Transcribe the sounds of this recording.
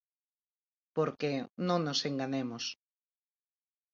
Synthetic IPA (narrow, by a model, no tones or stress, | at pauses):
poɾkenõŋnoseŋɡanemos